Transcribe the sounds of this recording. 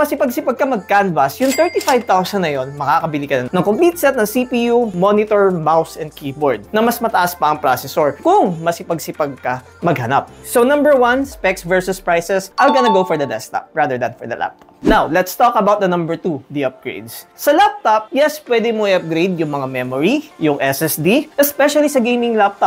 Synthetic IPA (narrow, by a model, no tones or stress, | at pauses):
mɐsɪpɐɡ̚sɪpɐɡ̚kɐmɐɡ̚kanvɐsjʊŋt̪ɛɹt̪ifajvt̪awsɐnːɐjo̞nmɐkakɐbɪlikɐnɐnɐŋkomplit̪̚sɛt̪nɐŋsipiːjumonɪt̪oɹmawsɛnd̪̚kiːboɹd̪̚nɐmɐsmɐt̪ɐʔaspɐʔɐŋpɹasɛsoɹkʊŋmɐsɪpɐɡsɪpɐɡ̚kɐ | mɐɡ̚hɐnap̚sonɐ̃mbɛɹwɐnspɛksvɛɹsʊspɹajsɛsʔaɪlɡɐnɐɡowfɔɹd̪ɐd̪ɛst̪a̰p̚ɹad̪ɛɹd̪ɐnfɔɹd̪ɐ̰lʔa̰p̚t̪o̥̰p̚nawlɛt̪st̪ɔkɐbawt̪̚dɐnɐ̃mbɛɹt̪ud̪iʔɐp̚ɡ̥ɹḛjd̪ssɐlap̚t̪op̚jɛspwɛd̪ɪmoʔɪɐp̚ɡɾejd̪̚jʊŋmɐŋamɛmoɹijʊŋʔɛsɛsd̪iʔɛspɛʃɐlisɐɡejmɪŋlap̚t̪ɔp